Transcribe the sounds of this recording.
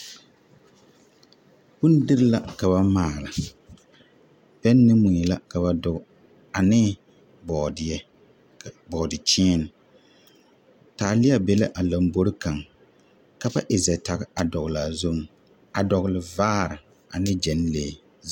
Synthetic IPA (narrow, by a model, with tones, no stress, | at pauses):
bʊ˦n˦dɨ˦ɾɪ˦la˦ka˨βa˦maː˦˨la˨ | bɛ˦nː˦ɨ˦mu˨ni˨la˦ka˨ba˨dʊ˨ɡ | a˨nɪ˦ | bɔ˨dɪ˨ɛ˦˨ | bɔ˨dɪ˨t͡ʃiː˦n˨ | taː˨lɪ˦a˦bɛ˦la̰˦ʔa˨la˨mbo˦ɾɨ˦ka˨ŋ | ka˦ba˦ʔɪ˨zɛ˨ta˨ɣɪ˦a˨dɔ˨ɣla˨zo˦m˨ | a˨dɔ˨ɣlɪ˨vaː˦ɾɪ˨ | a̰˨nɪ˦d͡ʒɛ˨n˦leː˨